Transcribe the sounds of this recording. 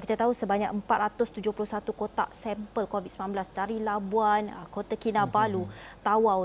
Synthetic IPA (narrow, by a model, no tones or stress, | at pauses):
kit̪at̪aɦusəbaɲak̚əmpat̪̚ɾat̪ʊst̪ud͡ʒʊhpulʊhsat̪ukot̪a̰ʔsɛmpəlkovit̪̚səmanblasdaɾilabuankot̪akinabalut̪awaw